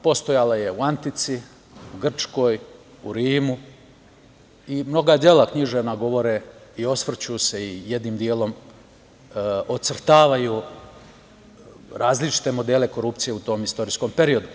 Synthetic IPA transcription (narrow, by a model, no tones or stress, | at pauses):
po̞st̪o̞jalaje̞uant̪it̪si | uɡr̩t͡ʃko̞ːj | uɾiːmu | imno̞ɡad̪je̞lakɲiʒeʋnaɡo̞ʋo̞ɾeio̞sʋr̩t͡ɕuse̞ijed̪niːmd̪je̞ːlo̞m | ot̪sr̩t̪aːʋaju | ɾaːzlit͡ʃi̥t̪e̞mo̞d̪e̞ːle̞ko̞ɾup̚t̪sije̞ut̪o̞ːmist̪o̞ɾisko̞mpe̞ɾio̞d̪u